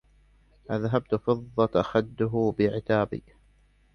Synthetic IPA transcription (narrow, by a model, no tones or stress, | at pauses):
ʔaðɦab̚t̪fɨðˤːɑt̪ʔaxad̪ːʊɦʊbɪʕɪt̪aːbḭː